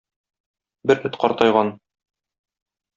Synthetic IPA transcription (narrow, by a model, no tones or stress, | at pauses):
bɘɾɘt̪qɒɾt̪ɑjʁɑn